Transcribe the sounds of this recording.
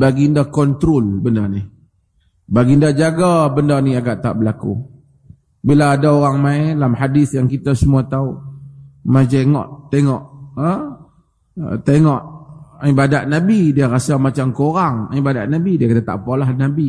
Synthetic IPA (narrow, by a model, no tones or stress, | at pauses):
baɡindakɔnt̪ɾolbəndanih | baɡindad͡ʒaɡabəndaniaɡaʔt̪a̰ʔbəlakṵ | bilaːdaoɾaŋmãjalamhadiθjaŋkit̪asəmuat̪au | majd͡ʒeŋɔ̰ʔt̪eŋɔʔə | t̪eŋɔʔibadaʔnabidiəɾasamat͡ʃamkoɾaŋibadaʔnabidiəkanat̪a̰ʔpalahnabi